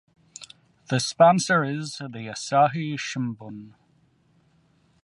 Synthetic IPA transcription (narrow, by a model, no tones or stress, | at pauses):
ðəspãnsəɹɪzðiəsaɦiʃɪ̃mbən